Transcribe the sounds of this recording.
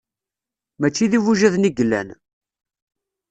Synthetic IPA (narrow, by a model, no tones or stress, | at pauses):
mæt͡ʃːiðivuʒæðniɡəlːæ̰n